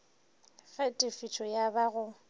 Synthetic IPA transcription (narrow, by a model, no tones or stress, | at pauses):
fɛtʼɪfit͡ʃʰɔjabaɣʊ